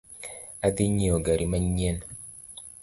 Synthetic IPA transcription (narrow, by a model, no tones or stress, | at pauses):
adiɲioɡaɾimaɲen